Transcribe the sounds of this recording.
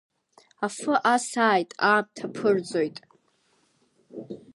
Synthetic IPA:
afɨʔasaːjtʼaːmtʰapʰɨrd͡zojtʼ

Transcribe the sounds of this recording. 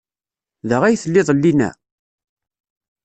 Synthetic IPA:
ðəʁæjθəlːɪðˤlːinæ̰

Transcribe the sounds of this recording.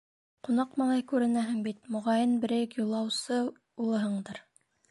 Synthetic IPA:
qunɑqmɑlˠɑjkʉɾɘ̆næɦɘŋbit̪mŏʁɑjɤnbɘ̆ɾɘjɘkjulˠːɑwsɤ | ulˠɤ̆ɦɤɴd̪ɤɾ

